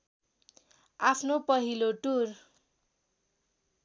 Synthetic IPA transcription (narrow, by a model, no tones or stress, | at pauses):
apʰnopʌɦiloʈur